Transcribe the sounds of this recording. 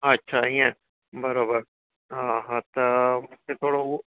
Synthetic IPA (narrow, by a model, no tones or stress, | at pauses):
ətːʃʰaːiːɛ̃ː | bəɾoːbəɾ | ãɦãt̪ət̪et̪ʰoːɽau